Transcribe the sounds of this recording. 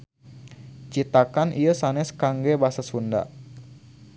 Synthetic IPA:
t͡ʃit̪akanʔijəsanɛskaŋɡɛbaɦasasunda̰

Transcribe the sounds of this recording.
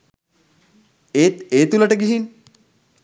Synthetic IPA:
eeːt̪uləʈəɡiɦin

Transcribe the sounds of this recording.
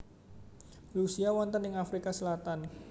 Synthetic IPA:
rusiawɔnt̪ənjəŋafɾikasəlat̪an

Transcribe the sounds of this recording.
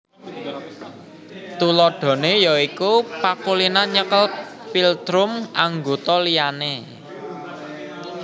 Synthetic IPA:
t̪ulɔɖ̥ɔ̤nejɔikupakulinaɲəkəlpild̪̥ɾʊmaŋɡot̪ɔlijane

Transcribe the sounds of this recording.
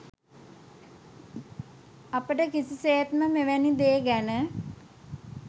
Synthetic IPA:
apəʈəkisiseːt̪məmeʋænid̪eːɡænə

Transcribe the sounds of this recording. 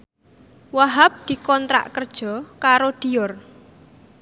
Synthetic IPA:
waɦap̚d̪̥i̤kɔnt̪ɾa̰ʔkərd̥ʒ̥ɔ̤kaɾod̪̥i̤jɔr

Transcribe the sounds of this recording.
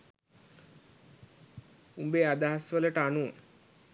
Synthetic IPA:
umbead̪aɦasʋələʈəanuʋə̰

